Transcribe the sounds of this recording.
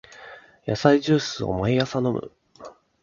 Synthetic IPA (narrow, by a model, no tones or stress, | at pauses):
jasaiʑɨːsɨo̰maijasano̞mɯ̟̰